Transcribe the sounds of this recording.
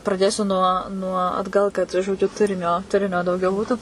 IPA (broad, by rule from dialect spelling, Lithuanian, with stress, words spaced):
prɐˈdʲeːsʲʊ nuɔ nuɔ ɐdˈɡɐlˠ kɐt ʒoːˈd͡ʒʲʊ ˈtʊrʲɪnʲoː ˈtʊrʲɪnʲoː dɐʊˈɡʲɛʊ ˈbuːtʊ